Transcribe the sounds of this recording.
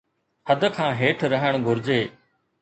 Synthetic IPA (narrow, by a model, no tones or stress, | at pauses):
həd̪ʱkʰãːɦeːʈʰɾəɦəɳ̃ɡʱʊɾd͡ʑeː